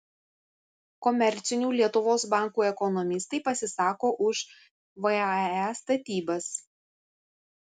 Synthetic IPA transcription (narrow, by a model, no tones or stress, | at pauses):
kɔmʲɛɾʲt̪sʲɪnʲuːlʲiɛt̪ʊʋoːsbɑˑŋˑkuːɛkɔnɔmʲɪst̪ɐɪpɐsʲɪsɑːkoːʔʊʃ | ʋɐæst̪ɐt̪ʲiːbɐs